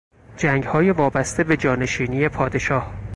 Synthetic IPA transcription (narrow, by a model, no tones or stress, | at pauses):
d͡ʒæːŋɡhɒːjevɒːbæst̪e̞be̞d͡ʒɒːne̞ʃiːnije̞pʰɒːd̪e̞ʃɒːh